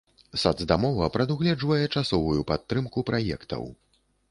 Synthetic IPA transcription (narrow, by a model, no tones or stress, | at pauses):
sad̪zd̪amɔvɐpɾɐd̪uɣlʲɛd͡ʐvɐjɛt͡ʂasɔvujupat̪ːɾɨmkupɾʔajɛ̰kt̪ʰɐ̰w